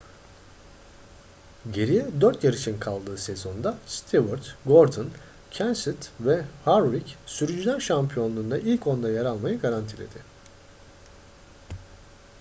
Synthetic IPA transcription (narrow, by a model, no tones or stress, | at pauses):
ɟe̞ɾijɛd̪øɾt̪ʰjaɾiʃinkʰalˠd̪ɯːse̞zo̞nd̪ast̪ʰivuɾt̪ɡo̞ɾd̪un | cʰænsit̪vɛhaɾɾicsyɾyd͡ʒyd̪ænʃampʰijo̞nlːˠund̪aʔilʲcʰo̞nd̪ajaɾalˠmajaɡaɾant̪ʰilʲe̞̰d̪̥ɪ